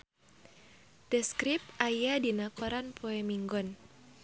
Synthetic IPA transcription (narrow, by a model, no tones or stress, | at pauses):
d̥ɛskɾip̚ajadinakɔɾanpʰoɛmiŋɡɔn